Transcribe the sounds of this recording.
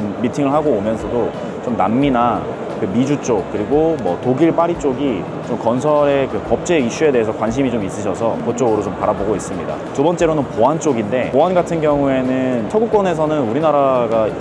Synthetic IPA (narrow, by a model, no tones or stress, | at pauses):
omːitʰiŋɯɭɦaɡoːmjʌnsʰʌdo | t͡ɕomnamːina | kɯmid͡ʑut͡ɕ͈ok̚k͈ɯɾiɡomwʌtoɡiɭp͈aɾit͡ɕ͈oɡi | t͡ɕomkʌnsʰʌɾe̞kɯpʌp̚t͡ɕ͈e̞iɕ͈ue̞de̞ɦesʰʌkwanɕ̬ʰimit͡ɕomis͈ɯɕʰʌsʰʌkot͡ɕ͈oɡɯɾot͡ɕompaɾaboɡois͈ɯmɲida̰tobʌnt͡ɕ͈e̞ɾonɯnpoɦant͡ɕ͈oɡinde̞poɦanɡatʰɯnɡjʌŋue̞nɯnt͡ɕʰʌɡuk͈ʌne̞sʰʌnɯnuɾinaɾaɡa